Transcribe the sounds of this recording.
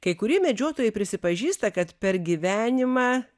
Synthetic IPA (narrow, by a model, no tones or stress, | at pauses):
kɐɪkʊɾʲiɛmʲɛd͡ʒʲoːt̪oːjɛɪpʲɾʲɪsʲɪpɐʒʲiːst̪ɐkɐt̪pʲɛɾɡʲiʋʲæːnʲɪmɑː